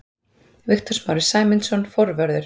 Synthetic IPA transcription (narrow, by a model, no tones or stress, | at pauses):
vɪxt̪ʏɾ̥smaːwɾɪ̥saːjmɪnsɔnfɔɾvœɾðʏɾ